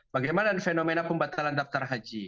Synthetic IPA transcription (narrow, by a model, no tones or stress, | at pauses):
bɐɡɛmalanifɛnɔmɛnakumbat̪alandaft̪aɾɦad͡ʒi